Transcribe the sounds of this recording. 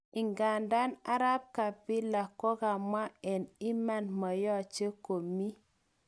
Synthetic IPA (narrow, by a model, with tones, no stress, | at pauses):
i˨ŋɡa˨nda˦na˦ɾa˦p̚ka˨pi˦la˨kːo˦ka˨ma˦ɛ˨ni˦ma˨nma˨jɔ˦t͡ʃe˦ko˨mi˦